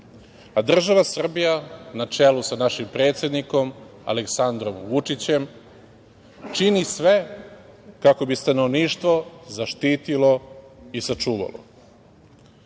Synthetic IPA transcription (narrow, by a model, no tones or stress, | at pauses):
ad̪r̩ʒaʋasr̩bijanat͡ʃelusanaʃimpɾe̞ːt̪sje̞d̪niko̞m | a̰leksand̪ɾo̞mʋut͡ʂit͡ɕe̞m | t͡ʃinisʋe̞ | kako̞bist̪ano̞ʋniːʃt̪ʋo̞zaʃt̪iːt̪ilo̞isat͡ʃuːʋa̰lo̞̰